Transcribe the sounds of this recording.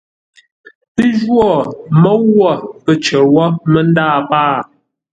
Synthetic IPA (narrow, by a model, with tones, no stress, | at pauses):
pə˦ʒwɔ˦˨mə˦wwːɔ˦˨pə˨t͡ʃə˨wɔ˦mə˦n˦daː˦˨paː˦˨